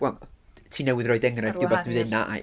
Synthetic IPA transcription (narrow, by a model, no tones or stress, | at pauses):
wɛlˠntʰiːnɛwɪðrɔɨdɛŋrajvdɪwbaθnɨðɪnaʔa̰